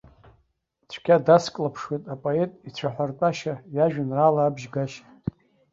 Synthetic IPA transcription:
t͡ɕʷʰkʲadaskʼlapʰʂwetʼapʼoe̞tʼit͡ɕʷʰaħʷartʼaʃajaʒᶣanralaːbʒɡaʃ

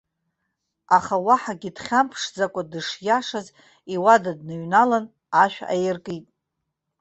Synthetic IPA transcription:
aχawaħaɡʲidχʲampʰʂd͡zakʷʼadɨʂjaʂaz | iwadadnɨɥnalan | aʃᶣa̰jɪrkʼɨtʼ

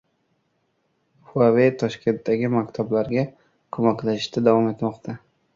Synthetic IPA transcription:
fuavet̪ʰɒʃkʲʰe̞nt̪d̪aɡʲɪmakʲt̪ʰablaɾɡʲa | kʰomakʲlaɪʃt̪ad̪avɒmet̪mɒqt̪ʰa

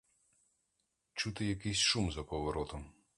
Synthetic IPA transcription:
t͡ʃut̪ɪjɐkɪsʲʃumzɐpɔʋɔɾɔt̪ɔm

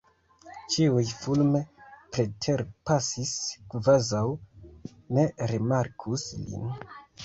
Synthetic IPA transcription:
t͡ʃiujfulme̞pɾetʰe̞ɾpasiskvazaw | ne̞ɾimaɾkʰuslḭn

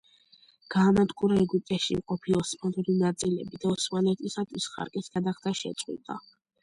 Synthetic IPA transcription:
ɡ̥aːmat̪ʼqʼuɾaɛɡyp̚ʼt̪ʼɛʃimqʼɔpʰiɔsmanuɾinat̪sʼilɛ̰bid̪aɔsmanɛt̪ʰʼisat̪ʰwisχa̰ɾkʼisɡ̥ad̪aχt̪ʰaʃɛ̰t̪sʼqʼwḭt̪ʼa

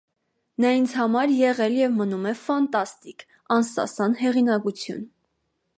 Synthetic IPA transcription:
nɑint͡sʰhɑmɑɾjɛʁɛljɛvmənumɛfɑnt̪ɑst̪ik | ɑnsɑ̰sɑnhɛʁinɑkut͡sʰjṵn

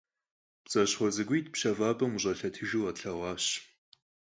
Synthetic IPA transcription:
pt͡sʼɐɕχʷɔzɨɡʷijtʰpʃɐvaːbɐmuʑʼɐɬɐtʰɨʒuwɐtɬɐʁʷɑːɕ

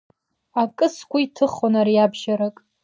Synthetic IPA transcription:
akʼɨskʷʰaitʰɨχonaɾiabʒaɾakʼ

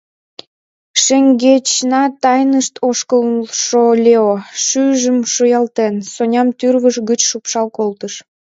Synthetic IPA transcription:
ʃeŋɡet͡ɕnɑt̪ɑjnəʃt̪ʰoʃkəʃolʲeoʃyʒəmʃojɑlt̪ensonʲɑmt̪yrβəʃɣət͡ɕʃupʃɑlkolt̪əʃ

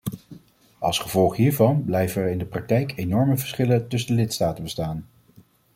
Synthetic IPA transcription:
ɑ̰lˠsχəv̥ɔlˠχɦiːɹvɑnblɛjvəəɹɪndəprɑk̚tɛjkenɔɹməvəɹsχɪləntɵs̬əndəlɪtstaːtənbəstaːn

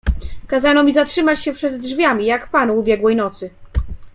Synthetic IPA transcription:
kazanɔmʲizatʂɘmat͡ɕɕɛpʂɛd̪ʐvʲjamʲijakpanuːbʲjɛɡwɛjnɔt̪sɘ

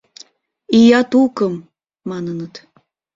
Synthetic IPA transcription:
ijɑt̪ukəmː | ɑnənət̪

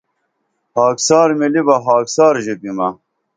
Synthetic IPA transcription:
haːksaːɾmilibɐɦaːksaːɾʑupimɐ

